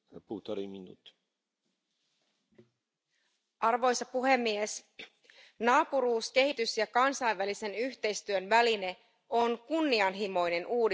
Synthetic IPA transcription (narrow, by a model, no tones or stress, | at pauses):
puːt̪oɾiminːṵt̪ | ʔɑrʋo̞jsɑpuɦe̞mːies | nɑːpuɾuːske̞ɦit̪ysjɑkɑnsɑjʋːælise̞nyçt̪e̞jst̪yø̞nʋæline̞ | o̞nkunːiɑnɦimo̞jne̞nʔuːd